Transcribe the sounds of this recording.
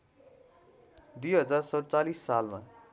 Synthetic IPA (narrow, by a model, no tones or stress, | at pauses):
d̪ujɦʌd͡zarsʌɾt͡salisːalma̰